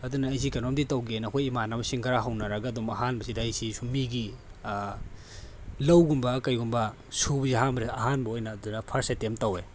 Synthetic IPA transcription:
ɐdunɐːjs̬ikɐnomditɐwɡenɐkʰojimanɐmɐsiŋɡɐɾaɦɐwnɐɾɐɡaɐdumɐɦanbɐsidɐɐjsisumiɡi | lɐwɡumbɐkɐjɡumbɐ | subziɦambɾeɐɦanbɐojnɐːdunɐpʰɐɾsetemtɐwe

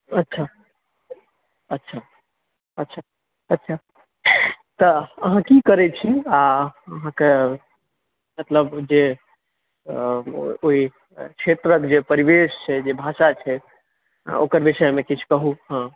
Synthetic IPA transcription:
ətːʃʰa | ətːʃʰa | ətːʃʰa | ətːʃʰa | t̪ɔəɦãkikəɾɛt͡ʃʰiaəɦãke | mət̪ləbd͡ʒe | oi | kʃʰet̪ɾəkd͡ʒepəɾibest͡ʃʰɛd͡ʒebʱasat͡ʃʰɛ̰ | o̰kəɾbisəmekit͡ʃʰkəɦuɦə̃

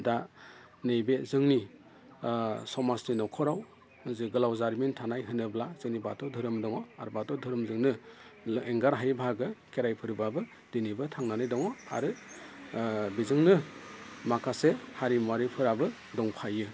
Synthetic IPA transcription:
da | nɯjbezɯŋni | sɔmasninɔkʰɔɾaw | zɯɡɯlawzaɾmintʰanajɦɯnɯblaz̥ɯŋnibatɔdʱɯɾɯmdɔŋɔa̰ɾbatɔdʱɯɾɯmzɯŋnɯ | eŋɡaɾɦajbʱaɡɯkeɾajpʰɯɾbabɯ | d̥inibɯtʰaŋnanɯjdɔŋɔa̰ɾɯ | bizɯŋnɯmakʰasehaɾimuaɾipʰɯɾabɯ | dɔŋpʰajɯ

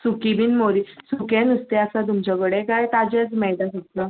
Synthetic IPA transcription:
sukibinmoɾisukẽnust̪easat̪̬umt͡ɕaɡəɽekajt̪ad͡ʑet͡smɛɭʈasut̪la

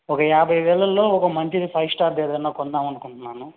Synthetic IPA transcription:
ɔkɐjaːbʱɐjʋɛːɭɐlːo̞ːɔkɐmɐɲt͡ʃid̪ipʰɐjsʈaːɾd̪eːd̪ɐnːoːkɔnd̪aːmɐnukuɳʈunːaːnu

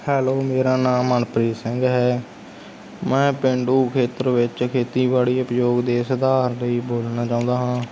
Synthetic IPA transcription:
hɛːloːmeːɾaːnaːmːənpɾiːsɪ̃ŋɡɦɛː | mɛ̃ːpɪɳɖuːkʰeːt̪əɾʋɪt͡ʃkʰeːt̪iːbaːɽiːəpjoːɡd̪eːsəd̪aːɾləiːboːlnaːt͡ʃaːʊ̃ːnd̪aːɦãː

